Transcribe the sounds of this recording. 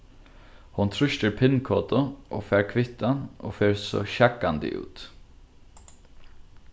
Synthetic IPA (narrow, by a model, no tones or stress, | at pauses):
hʊnt̪ʰɾʏʃt̪əɾpʰɪnkʰoːt̪ʊʔo̰ːfɛːɾkʰʋɪht̪ano̰ːfeːɹsɔ̰ʃakːand̪ɪ̰ʔʉ̰ːt̪